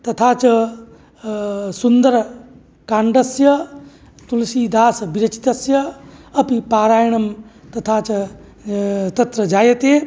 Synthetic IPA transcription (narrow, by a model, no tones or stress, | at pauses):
t̪ɐt̪ʰaːt͡ʃɐ | sund̪ɐɾ | kaːɳɖɐsjɐ | t̪ulɐsiːd̪aːsɐbiɾɐt͡ʃi̥t̪ɐsjɐɐpipaːɾaːjɐɳɐmt̪ɐt̪ʰaːt͡ʃɐ | t̪ɐt̪ɾɐd͡ʒaːjɐt̪eː